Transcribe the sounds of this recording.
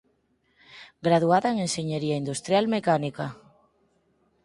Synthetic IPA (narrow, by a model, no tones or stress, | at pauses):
ɡɾaðuaðaeŋenʃeɲeɾiaind̪ust̪ɾjalmekanika